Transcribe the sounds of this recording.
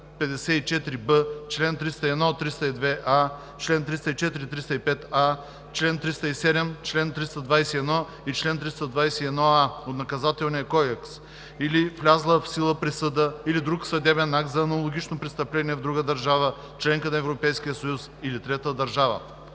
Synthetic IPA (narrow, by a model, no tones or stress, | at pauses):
pɛd̪ɛsɛit͡ʃɛt̪ɾibət͡ʃlɛnt̪ɾist̪əɛd̪nɔt̪ːɾist̪əid̪vɛʔa | t͡ʃlɛnt̪ɾist̪əit͡ʃɛt̪iɾit̪ɾist̪əipɛt̪a | t͡ʃlɛnt̪ɾist̪ɐisɛd̪ɛmt͡ʃlɛnt̪ɾist̪ɐd̪vajsɛɛd̪nɔ | it͡ʃlɛnt̪ɾist̪əd̪vajsɛiɛd̪nɔaot̪nɐkɐzat̪ɛlˠniɐkɔd̪ɛks | iliflʲazlˠəfsilˠəpɾisəd̪əilid̪ɾuksɐd̪ɛbɛnːak̪zɐːnɐlˠoɡʲit͡ʃnopɾɛst̪ɐplɛniɛvd̪ɾuɡəd̪ɐɾʒavə | t͡ʃlɛŋkənɐɛvɾopɛjsk̟ijəsɐjusilit̪ɾɛt̪əd̪ɐɾʒavə̰